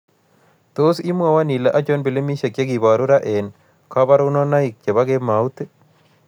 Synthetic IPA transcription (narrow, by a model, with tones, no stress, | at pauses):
t̪o˦si˦mwa˨wa˦ni˨la˦ʔa˦t͡ʃo˦nbi˨le˦mi˦ʃe˨kje˦ɡi˨ba˨ɾu˦ɾa˦ʔe˨n | kɔ˦ba˦ɾu˦nɔ˦na˦ɪ˨k̚t͡ʃe˨ba˦ɡe˦ma˨u˦t̪e˦